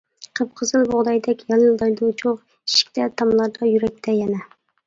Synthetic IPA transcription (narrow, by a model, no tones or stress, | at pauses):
qʰəp̚qʰəzɨlˠbʊʁd̪ɑjd̪ɛkʲjɑlˠɨlˠd̪ɑjd̪ut͡ʃʰoʁ | i̥ʃi̥kʲt̪ʰɛt̪ʰɑmlˠɑɾd̪ɑjyɾɛk̚ʲt̪ʰɛjɛnɛ